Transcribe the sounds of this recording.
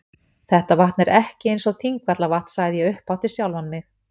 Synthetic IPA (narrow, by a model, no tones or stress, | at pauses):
θɛht̪avaht̪nɛɾɛhcɪejnsɔθiŋkvat̪lavaht̪n̥saːjðɪjɛʏhpawht̪ɪɾsjawlvanmɪx